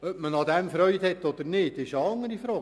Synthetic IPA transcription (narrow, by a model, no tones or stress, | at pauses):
œpmənɑd̪ɛmfɾœʏt̪hɛt̪ːɔd̪əɾnɪːdɪʃəɑŋəɾifɾoː